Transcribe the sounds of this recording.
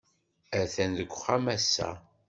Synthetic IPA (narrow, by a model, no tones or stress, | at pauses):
æθænðəɡʷːχæmæsːæ̰